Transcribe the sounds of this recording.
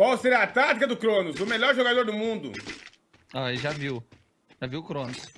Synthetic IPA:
kwawseɾat̪at̪ikɐd̪ʊkɾõnʊzʊmeʎɔɾʒoɡad̪oɾd̪ʊmũnd̪ʊ̰ | aeʒaviw | ʒaviwʊkɾõnʊs

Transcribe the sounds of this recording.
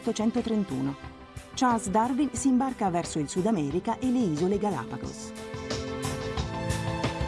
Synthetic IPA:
t̪ːot͡ʃɛnt̪ot̪ɾent̪ṵːno | t͡ʃasd̪arvinsiːmbarkavɛrsoilsud̪amɛːɾikaʔelːeiːzoleɡala̰ːpaɡo̰s

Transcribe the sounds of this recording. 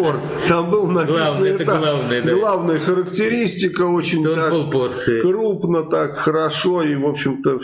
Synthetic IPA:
or | t̪ambɨlˠnɐvˠannɨɛt̪alˠavnɨjd̪ɡlˠavnəjəxəɾəktʲɪɾʲisʲtʲɪkəo̞t͡ɕɪnʲtt̪abɨlˠporsɨjkɾupnət̪akxəɾɐʂo̞ivo̞pɕːɪmt̪ə

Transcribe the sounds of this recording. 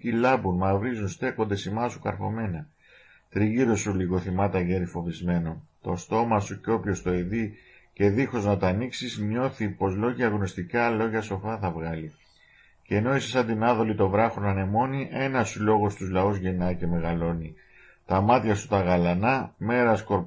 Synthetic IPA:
cilɐbunmɐvɾizunst̪e̞ko̞nd̪e̞simɐsukɐɾxo̞̰me̞nɐ | t̪ɾiʝiɾo̞suliɣo̞θimɐt̪ɐʝe̞ɾifo̞vizme̞no̞nt̪o̞st̪o̞mɐsuceo̞pço̞st̪o̞eði | ce̞ðixo̞znɐt̪ɐniksizɲo̞θipo̞zlo̞ʝɐɣno̞st̪ikɐlo̞ʝɐso̞fɐθɐvɣɐli | ce̞no̞isesɐnd̪inɐðo̞lit̪o̞vɾɐxonɐne̞mo̞niʔe̞nɐsulo̞ɣo̞st̪uzlɐuzʝe̞nɐice̞me̞ɣɐlo̞ni | t̪ɐmɐt̪çɐsu̥t̪ɐɣɐlɐnɐme̞ɾɐsko̞ɾ

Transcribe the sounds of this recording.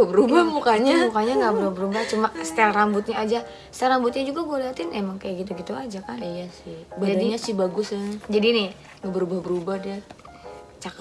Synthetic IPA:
bəɾubahmukaɲamukaɲaŋɡaʔbəɾuabəɾubaht͡ʃumasə̥t̪alrambʊt̪̚ɲaːd͡ʒa | st̪aɾambʊt̪̚ɲad͡ʒuɡabualeat̪ɪnemaŋkajaʔɡit̪uɡit̪uad͡ʒakanijasɪhbd͡ʒadiɲasɪhbaɡʊsd͡ʒadinɪ | ŋabəɾubahbəɾubahda | t͡ʃak

